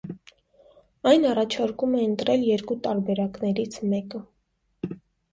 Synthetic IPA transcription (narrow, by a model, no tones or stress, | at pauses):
ɑjnɑrɑt͡ʃʰɑɾkumɛənt̪ɾɛljɛɾkut̪ɑɾbɛɾɑknɛɾit͡sʰmɛkə